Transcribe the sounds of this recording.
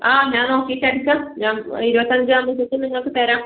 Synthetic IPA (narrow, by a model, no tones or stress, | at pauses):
aːɲaːnoːkːeːʈːɐɽukːaːmɲaːniɾubɐt̪ːɐɲd͡ʑɨamːɐsɐt̪ːɨniŋːɐɭkːɨt̪eːɾaːm